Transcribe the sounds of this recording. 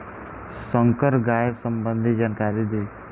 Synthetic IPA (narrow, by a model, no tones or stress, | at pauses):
səŋkəɾɡaːjsəmbənd̪ʱid͡ʒaːnkaɾid̪e